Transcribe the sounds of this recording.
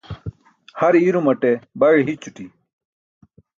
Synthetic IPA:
hɐɾiɾumɐʈebɐɻiɦit͡ɕuʈi

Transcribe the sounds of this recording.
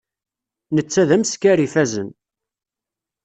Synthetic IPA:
nət͡sːæðæməskæɾifæzən

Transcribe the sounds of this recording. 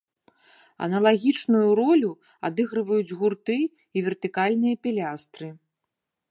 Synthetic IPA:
ɐ̰nɐlˠaɣʲit͡ʂnujuɾɔlʲu | a̰d̪ɨɣɾɨvɐjud͡zʲɣurt̪ɨː | vʲɛrt̪ɨkalʲnɨjɐpʲilʲast̪ɾɨ

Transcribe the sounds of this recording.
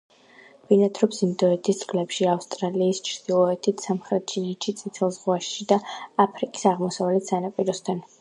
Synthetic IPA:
v̥inat̪ʰɾɔbz̥ind̪ɔɛt̪ʰist̪sʼkʼlɛpʃiafst̪ʼɾaliːst͡ʃʰɾd̪̥ilˠɔɛt̪ʰit̪ʰsamχɾɛt̪̚t͡ʃʰinitʃʰit̪sʼit̪ʰɛlˠzʁwaʃʃid̪aapʰɾikʼi̥saʁmɔsavalɛt̪ʰsanapʼiɾɔst̪ʰan

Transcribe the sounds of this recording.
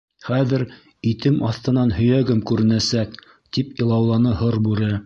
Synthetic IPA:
χæðɘ̆ɾ | it̪ɘmʔɑθt̪ɤ̆nɑnhɵ̆jæɡɘmkʉɾɘ̆næsæk̚ | t̪ipĭlˠɑwlˠɑnɤɦoɾbʉɾɘ

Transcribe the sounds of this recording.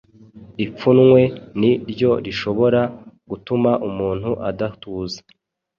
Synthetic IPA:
ip͡funŋwe̞niɾɟo̞ɾiʃo̞βo̞ɾaɡ̥utumaʔumuːn̥huʔadatuːzḁ

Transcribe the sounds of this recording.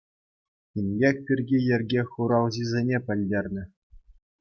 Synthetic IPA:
inʲbʲekʲpʲirʲɡʲijɘ̆rʲɡʲeχuɾɑlˠʑizʲenʲepʲɘ̆lʲdʲerʲnʲɘ̆

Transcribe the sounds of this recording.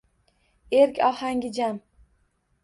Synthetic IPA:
eɾkʲɒhaŋɡʲɪd͡ʒam

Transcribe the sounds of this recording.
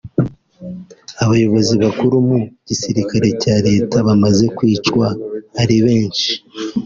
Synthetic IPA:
aβajo̞βo̞ziβakuɾumuɟ̥isiɾikaɾe̞caɾe̞ːtaβamaze̞kwiːt͡ʃwaːɾiβe̞ːnʃi̥

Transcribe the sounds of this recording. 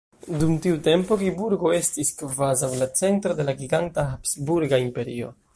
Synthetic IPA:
dumtiute̞mpo̞ɡibuɾɡo̞e̞stiskvazawlat͡se̞ntɾo̞de̞laɡiɡantahapsbuɾɡaimpe̞ɾio̞̰

